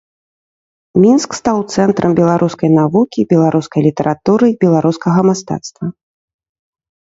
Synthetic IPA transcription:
mʲinskst̪awt̪sɛnt̪ɾʔɐmbʲɛlˠaɾʔuskɐjnavukʲibʲɛlˠaɾuskɐjlʲit̪ɐɾʔat̪uɾɨbʲɛlˠaɾuskɐɣɐmast̪a̰t̪st̪vɐ

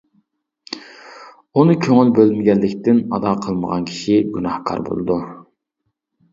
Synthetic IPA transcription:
unɨkʲʰøŋylbølmɪɡʲɛlːɪkʲt̪ɪnɑd̪ɑːqʰəlˠməʁɑ̰nkʲʰi̥ʃiɡunɑhkʰɑ̰ɾbo̰lˠɨ̰d̪u

